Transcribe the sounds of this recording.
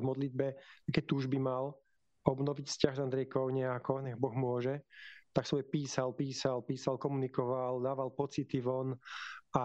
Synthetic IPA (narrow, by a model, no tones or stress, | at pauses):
mɔd̪lid̪̚bɛakɛt̪uːʒbimal | ɔbnɔʋicfscaɣzand̪ɾɛjkɔʊɲɛakɔɲɛɣbɔɣmʊɔʒɛt̪aksʋɔjpiːsalpiːsalpiːsalkɔmunikɔʋald̪aːʋalpɔt͡sit̪iʋɔna